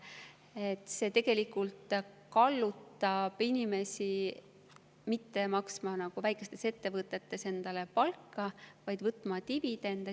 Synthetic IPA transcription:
et̪ːˑse̞t̪e̞ɡ̥e̞likːult̪ | kɑlːut̪ːˑɑb̥inʲime̞si | mit̪ːe̞mɑksmɑnɑɡ̥uvæjkːˑe̞st̪e̞se̞t̪ːe̞vɤt̪ːˑe̞t̪ːe̞se̞nd̪̥ɑle̞pɑlkːɑvɑjd̪̥vɤt̪ːˑmɑt̪ibid̪̥end̪̥ɑ

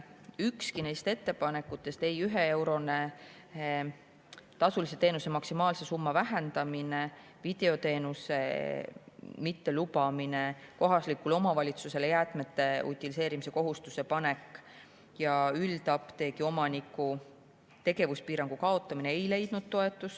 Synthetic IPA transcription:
ykskine̞jst̪e̞t̪ːe̞pɑne̞kːˑut̪ːˑe̞st̪e̞jyɦee̞wɾo̞ne | t̪ɑsulise̞t̪e̞ːnuse̞mɑksimɑːlse̞sumːɑvæɦe̞nd̪̥ɑmine̞ | vid̪̥e̞o̞t̪e̞ːnuse̞̰ | mit̪ːe̞lubɑmine̞ko̞ɦɑslikːulo̞mɑvɑlʲit̪suse̞lejæːt̪me̞t̪ːˑe̞ṵt̪ʲːˑilise̞ːɾimise̞ko̞ɦust̪use̞pɑne̞kˑː | jɑylt̪ɑpt̪e̞ːkio̞mɑnikːˑu | t̪e̞ɡe̞vuspiːɾɑŋɡ̥ukɑo̞t̪ːˑɑmineejle̞jd̪̥nud̪̥̚t̪o̞e̞t̪ːˑus

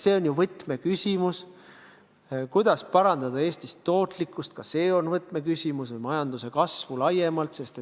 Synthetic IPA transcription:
se̞ːo̞njuvɤt̪ːme̞kysʲimus | kujd̪̥ɑspɑɾɑnd̪̥ɑd̪̥ɑe̞ːst̪ist̪ːo̞ːt̪ˑlikːˑust̪̚kɑse̞ːo̞nvɤt̪ːˑme̞kysʲimusvɨjmɑjɑnd̪use̞kɑsvulɑjːemɑlt̪se̞st̪e

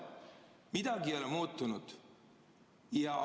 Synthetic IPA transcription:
mid̪̥ɑɡio̞lɛmuːt̪ːˑunud̪̥ | jɑ

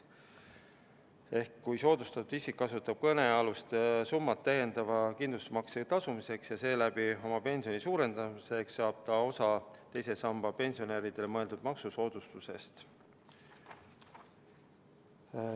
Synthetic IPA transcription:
e̞hkːujso̞ːd̪̥ust̪ɑt̪ːˑud̪̥isikːɑsut̪ːˑɑb̥̚kɤne̞ɑlust̪sumːɑt̪ːæje̞nd̪ɑvɑkind̪lust̪mɑkset̪ɑsumise̞ksjɑse̞ːlæb̥io̞mɑpe̞nʲsio̞nisuːɾe̞nd̪̥ɑmise̞ksːɑːb̥̚t̪ɑo̞sɑt̪e̞jse̞sɑmb̥ɑpe̞nʲsio̞neːɾid̪̥e̞lemɤe̞ld̪̥ud̪̥̚mɑksuso̞ːd̪̥ust̪use̞st̪

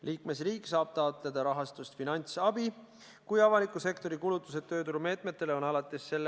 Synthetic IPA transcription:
lʔiːkme̞sriːksɑːb̥̚t̪ɑot̪ˑle̞d̪̥ɑɾɑɦɑst̪ust̪finɑnʲt̪sɑbi | kujɑvɑlikːˑuse̞kt̪o̞ɾikulut̪ːˑuse̞ø̞ːt̪uɾume̞ːt̪ˑme̞t̪ˑːe̞leo̞nɑlɑt̪ːˑesːe̞lː

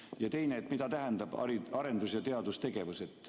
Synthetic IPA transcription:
jɑt̪e̞jneːt̪ːˑmid̪ɑt̪æɦɛnd̪ɑb̥ɑ̰iɑɾe̞nd̪usjɑt̪e̞ɑd̪ust̪e̞ɡ̥e̞vuse̞t̪ˑː

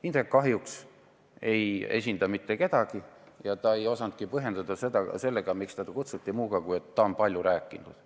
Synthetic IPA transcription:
ind̪ekkːɑɦjuks | e̞je̞̰sʲind̪̥ɑmit̪ːe̞ke̞d̪̥ɑɡ̥i | jɑt̪ɑe̞jo̞sɑnd̪̥̚kipɤɦe̞nd̪̥ɑd̪̥ɑse̞d̪ɑse̞lːeɡ̥ɑmikst̪æd̪ɑkut̪sut̪ːimuːɡɑkujet̪ːɑonpɑlʲjuɾæːkːˑinṵd̪̥

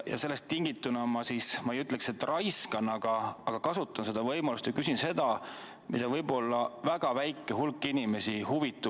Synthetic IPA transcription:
jɑ̰se̞lːest̪ːiŋɡ̥it̪ːˑunɑmɑsiːsmɑejyt̪ːˑle̞kset̪ːˑrʔɑjskɑnɑɡ̥ɑːɡ̥ɑkɑsut̪ːˑɑnse̞d̪̥ɑvɤjmɑlust̪jɑkysinse̞d̪̥ɑ | mid̪̥ɑvɤjbo̞lːɑvæɡ̥ɑvæjkːˑeɦulkːˑinime̞sihuvit̪ːˑu

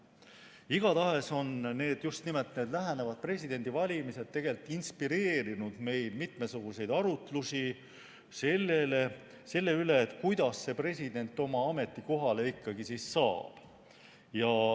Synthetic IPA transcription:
iɡ̥ɑt̪ɑɦe̞so̞nne̞ːd̪̥just̪nimelt̪ːneːd̪læɦenevɑd̪̥̚pre̞sʲid̪e̞nʲd̪̥ivɑlʲimise̞d̪̥̚t̪ːe̞ɡ̥elt̪ːˑinspiɾe̞ːɾinud̪̥me̞jd̪mit̪me̞suɡ̥use̞jd̪̥ɑɾut̪lusi | selːele | se̞lːe̞yle̞ːt̪ˑkujd̪̥ɑsːe̞pre̞sʲid̪̥e̞nt̪ːˑo̞mɑɑme̞t̪ːˑiko̞ɦɑle̞ikːɑɡisisːɑːb̥ | jɑ

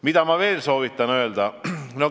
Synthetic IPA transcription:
mit̪æmɑʋeːlsoːʋit̪ːɑnøeld̪ɑmino

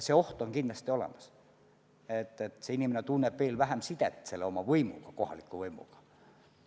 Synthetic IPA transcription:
seo̞ht̪o̞ŋkind̥̪lɑst̪io̞lḛmɑs | et̪ːˑet̪seinimenet̪unːeb̥veːlvæɦæmsit̪et̪ːˑse̞lːeo̞mɑvɤjmuɡ̥ɑko̞hɑ̰likːˑuvɤjmṵɡ̥ɑ̥

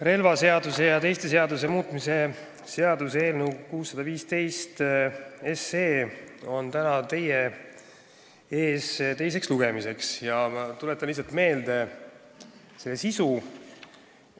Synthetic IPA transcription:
ɾe̞lvɑse̞ɑd̪use̞jɑt̪e̞jst̪e̞s̬e̞ɑd̪us̬e̞muːt̪ˑmise̞ | se̞ɑd̪useːlnukuːsːɑd̪̥ɑviːst̪e̞jst̪ese̞ːo̞nt̪ænɑt̪e̞je | e̞ːst̪e̞js̬e̞ksluɡ̥e̞mise̞ksjɑt̪ulet̪ːˑɑnlis̬ːɑlt̪me̞ːld̪̥e̞ | se̞lːesisu

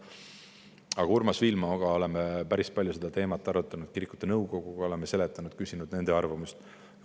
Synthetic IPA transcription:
ɑɡ̥ɑurmɑsvilmɑoɡ̥ɑo̞le̞mepæɾispɑlʲjuse̞d̪ɑt̪e̞ːmɑt̪ˑːɑɾut̪ːˑɑnud̪̥̚kiɾikːˑu̥t̪ˑːenɤwɡo̞ɡ̥uɡ̥ɑo̞lemːese̞le̞t̪ːˑɑnud̪̥̚kysinud̪̥ne̞nd̪̥e̞ɑrvɑmust̪

